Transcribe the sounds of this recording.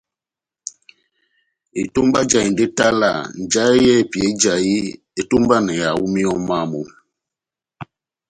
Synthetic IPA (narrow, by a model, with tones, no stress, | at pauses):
i˨tu˦mba˦d͡ʒa˨i˨nde˦ta˦la̰˨n˨d͡ʒa˦jɛ˦˨pi˨e˨˦d͡ʒa˨ji˦ | e˨tu˦mba˦nɛ˨ja˨wu˦mi˦ɔ˦ma˦˨mu˨